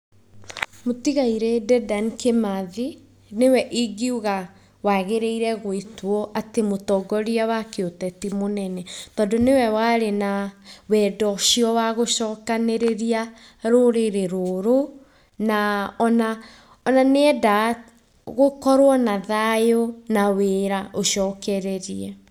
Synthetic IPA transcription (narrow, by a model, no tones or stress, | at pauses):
motiɣaiɾedɛdankemaði | newɛʔiɡiuɣa | waɣeɾeiɾɛɣoitwɔʔatemotɔɡɔɾiawakeotɛtimonɛnɛtɔndonewɛwaːɾenawɛːdɔɕiɔwaɣoɕɔːkaneɾeɾia | ɾoɾeɾeɾoɾo | naɔna | ɔnaneɛda | ɣokɔɾwɔnaðajonaweɾaʔoɕɔːkɛɾɛɾiɛ